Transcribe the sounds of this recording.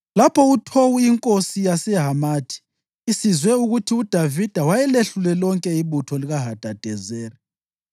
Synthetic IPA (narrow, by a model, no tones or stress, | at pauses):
lapʰɔutʰowuiŋkʼosijasɛɦamaːtʰi̥ː | sizwɛuɣutʰiud̥ʱavid̥ʱawajɛleɬulɛlɔŋkʼɛiβutʰɔliɣaɦad̥ʱad̥ʱɛzeːri